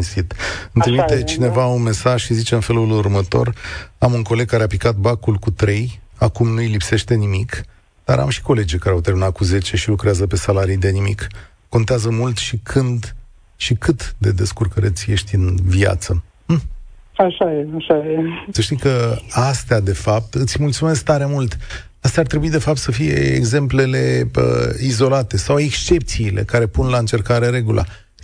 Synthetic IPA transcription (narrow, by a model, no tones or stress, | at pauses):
nsit̪ɨnt̪ɾimit̪e̞t͡ʃine̞vaunme̞saʒʃizit͡ʃe̞ɨnfe̞lulurmət̪o̞̰ramuŋko̞le̞ɡ̚kaɾeapikat̪̚bakulkut̪ɾe̞j | akumnuilipse̞ʃt̪e̞nimik | d̪̥a̰ɾa̰mʃi̥ko̞le̞d͡ʒejkaɾeawt̪erminat̪̚kuze̞t͡ʃeʃilukɾeazəpe̞salaɾijd̪e̞nimikː | o̞nt̪eazəmult̪ʃikʰɨnd̪ | ʃikʰɨt̪d̪e̞d̪e̞skurkəɾet̪sʲje̞ʃt̪ʲɨnvia̰t̪sə | aʃajeaʃajesəʃt̪ikəast̪ead̪e̞fap̚t̪ɨt̪sʲmult̪sume̞sk̚t̪aɾe̞mult̪ | ast̪eaɾrt̪ɾe̞buid̪e̞fap̚t̪səfije̞̰ḛɡze̞mple̞le̞ə̰izo̞lat̪e̞sawe̞kst͡ʃe̞pt̪siːlʔe̞̰kaɾe̞punlaɨnt͡ʃe̞rkaɾe̞ɾe̞ɡulʔa̰